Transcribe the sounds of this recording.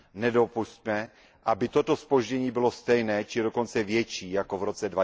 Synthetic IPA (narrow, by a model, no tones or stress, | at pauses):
nɛdo̞pusc̚mɛ | ʔabɪt̪ot̪ospo̞ʒɟɛɲiːbɪlo̞st̪ɛjnɛːt͡ʃɪdo̞ko̞nt͡sɛvjɛt͡ʃiːjako̞vɾot͡sɛdva